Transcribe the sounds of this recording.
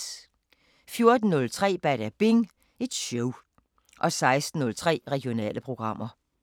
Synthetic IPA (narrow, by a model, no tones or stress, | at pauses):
fjo̝ɐd̥n̩ːɔ̽lt͡sʰʁɛ̰ːb̥æɾ̥æb̥e̝ŋ | e̝d̥ɕɔʊ | ʔɒ̽sɑ̈ɪsd̥n̩ːɔ̽lt͡sʰʁɛ̰ːʁɛɡ̥jo̝nɛ̰ːləpʰʁo̝ɡ̥ʁɑ̈m̰ʔɐ